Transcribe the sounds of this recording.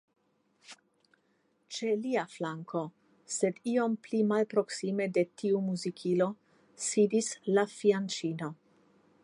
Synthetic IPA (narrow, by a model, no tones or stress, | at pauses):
t͡ʃe̞liaflaŋkʰo̞ | se̞dio̞mplimalpɾo̞ksime̞de̞tʰiumuzikʰilo̞ | sidislafiant͡ʃino̞